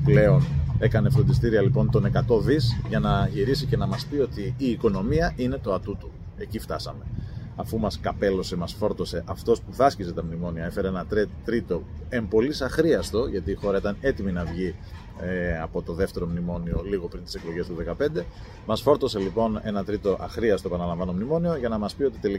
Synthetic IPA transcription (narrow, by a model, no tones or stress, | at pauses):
ple̞o̞ne̞kɐnefot̪ist̪iɾiɐlipo̞nt̪o̞ne̞kɐt̪o̞ðisʝɐnɐʝiɾisice̞nɐmɐspio̞t̪iːko̞no̞miɐʔine̞t̪o̞ɐt̪ut̪u | e̞cift̪ɐsɐme̞ɐfumɐskɐpe̞lo̞se̞mɐsfo̞ɾt̪o̞se̞ʔɐft̪o̞spuθɐscise̞t̪ɐmnimo̞niɐe̞fe̞ɾeenɐt̪ɾt̪ɾit̪o̞e̞mbo̞lisɐxɾiɐst̪o̞ʝɐt̪iːxo̞ɾɐit̪ɐne̞t̪iminɐvʝi | ɐpo̞t̪o̞ðe̞ft̪e̞ɾo̞mnimo̞nio̞liɣo̞pɾint̪ise̞klo̞ʝe̞st̪uðe̞kɐpe̞nd̪e̞ | mɐsfo̞ɾt̪o̞se̞lipo̞ne̞nɐt̪ɾit̪o̞ʔɐxɾiɐst̪oepɐnɐlɐɱvɐno̞mnimo̞nio̞ʝɐnɐmɐspio̞t̪it̪e̞li